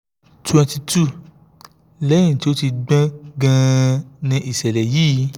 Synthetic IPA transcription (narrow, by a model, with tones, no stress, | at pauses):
tu˨˦ã˧ti˧tu˦˨ | lɛ̃˦ĩ˦˨ti˦o˦ti˧ɡ͡bã˦ɡã˦˧nĩ˧ʔi˨sɛ˨lɛ˨jiː˦˨˦